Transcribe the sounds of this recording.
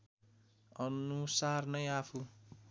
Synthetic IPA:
ʌnusarnʌjapʰu

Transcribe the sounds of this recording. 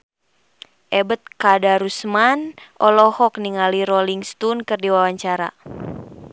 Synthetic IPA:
ʔɛbət̪̚kadaɾusmanʔɔlɔhɔk̚niŋaliɾɔliŋst̪unkɨrdiwawaɲt͡ʃaɾa̰

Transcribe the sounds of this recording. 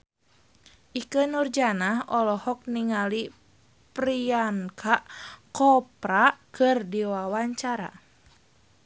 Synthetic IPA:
ʔikənurd͡ʒanaɦɔlɔhɔk̚niŋali | pɾiankʰaʔkɔpɾakʰɨrdiwawaɲt͡ʃaɾa̰

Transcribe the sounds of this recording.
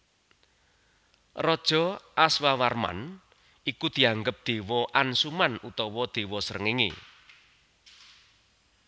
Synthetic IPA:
rɔd̥ʒ̥ɔ̤ʔaswawarma̰n | ikud̪̥i̤aŋɡəp̚d̪̥e̤wɔʔansumanut̪ɔwɔd̪̥e̤wɔsəɾəŋɪŋḛ

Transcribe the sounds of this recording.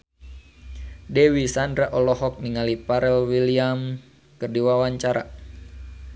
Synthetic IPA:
dɛwisandɾaʔɔlɔɦɔk̚niŋalipaɾɛlwiliam | kərdiwawaɲt͡ʃaɾa̰

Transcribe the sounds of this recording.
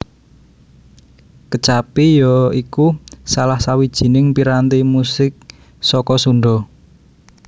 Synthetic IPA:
kət͡ʃapijɔikusalahsawid̥ʒ̥i̤nɪŋpiɾant̪imusɪk̚ | sɔkɔsuɳɖɔ

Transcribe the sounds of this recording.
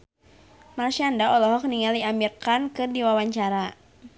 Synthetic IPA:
marʃiandaɔlɔɦɔk̚niŋaldiambirkankɨrdiwawaɲt͡ʃaɾa

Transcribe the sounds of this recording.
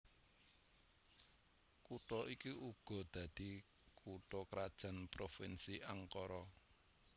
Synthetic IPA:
kuʈɔikiʔuɡ̥ɔ̤d̪̥a̤d̪̥i̤ | kʰuʈɔkɾad̥ʒ̥a̤npɾofinsiʔaŋkɔɾɔ

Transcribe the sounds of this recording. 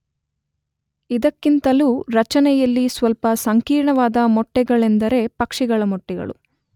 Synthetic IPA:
id̪ɐkːint̪ɐluːɾɐt͡ʃɐnɛjɐlːisʋɐlpɐsɐŋkiːɾɳɐʋaːd̪ɐmɔʈːɛɡɐɭend̪ɐɾe̞pɐkʂiɡɐɭɐmɔʈːɛɡɐ̰ɭṵ

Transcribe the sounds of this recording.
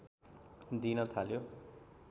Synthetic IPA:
d̪inʌt̪ʰaljo

